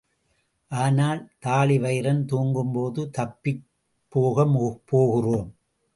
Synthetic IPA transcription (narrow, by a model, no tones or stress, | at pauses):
ʔaːnaːlt̪aːɭɪʋɐɪɾɐnt̪uːŋɡɯmpoːðɯt̪ɐpːɪ | pːoːɣɐmpoːɣɪroːm